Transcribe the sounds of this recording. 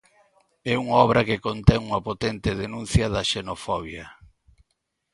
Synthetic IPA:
ɛuŋaɔβɾɐkekont̪ɛŋuŋɐpot̪ɛnt̪eðenũnθjɐðɐʃenofɔβjɐ

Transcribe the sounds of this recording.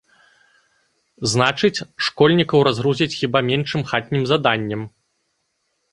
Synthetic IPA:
znat͡ʂɨt͡sʲʂkɔlʲnʲikɐwɾazɣɾuzʲɐt͡sʲxʲibamʲɛnʂɨmxat̪̚ʲnʲimzad̪anʲːɛm

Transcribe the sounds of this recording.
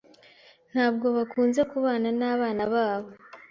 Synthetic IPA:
n̥haːb̚ɡo̞βakʰuːnze̞kuβaːnanaːβaːnaβaːβo̞

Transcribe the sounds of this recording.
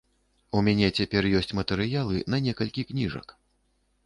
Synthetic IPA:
umʲanʲɛt͡sʲapʲɛrjɔsʲt͡sʲmɐt̪ɛɾɨjalˠɨnɐnʲɛkɐlʲkʲiknʲiʐɐ̰k

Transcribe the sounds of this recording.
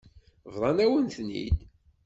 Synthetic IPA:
vðˤɑnæwənθnːḭd̪

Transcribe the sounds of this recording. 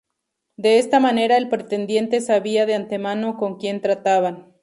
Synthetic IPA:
d̪e̞est̪amane̞ɾaelpɾet̪e̞nd̪je̞nt̪e̞saβiaðeant̪e̞mano̞ko̞ŋkje̞nt̪ɾat̪aβan

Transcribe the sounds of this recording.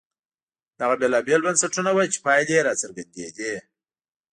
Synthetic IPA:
d̪̥aɣabelɑbelbansaʈunawajt͡ʃe̥pɑjd̪eɾɑt͡səɾɡand̪ḛd̪e

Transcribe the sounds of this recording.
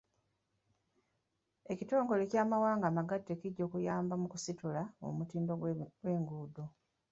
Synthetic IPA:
e̞cito̞ːŋɡo̞le̞caːmawaːŋɡaːmaɡatːe̞ciɟːo̞ːkujaːmbamukusitulao̰mutiːmbowe̞ːŋɡuːdo

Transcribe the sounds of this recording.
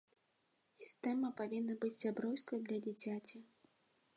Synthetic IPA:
sʲi̥st̪ɛmɐpavʲinːɐbɨt͡sʲsʲabɾɔwskɐjɐd̪lʲɐd͡zʲit͡sʲat͡sʲi

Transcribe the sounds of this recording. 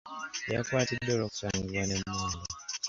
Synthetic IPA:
ja̰kwaːtidːoloku̥saːŋɡiβwanemwaːno

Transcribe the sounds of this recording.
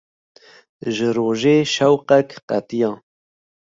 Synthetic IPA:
ʒɨɾoːʒeːʃɛwqɛkqæt̪ijɑ̃ː

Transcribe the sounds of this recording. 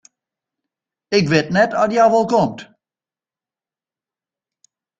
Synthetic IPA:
ɪkʋɪtnɛtɔtjawʋɔlˠkomt

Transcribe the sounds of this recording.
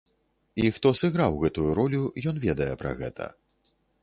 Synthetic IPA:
ixt̪ɔsɨɣɾawɣɛt̪ujuɾɔlʲujɔnvʲɛd̪ɐjɛpɾɐ̰ɣɛ̰t̪ʰɐ̰

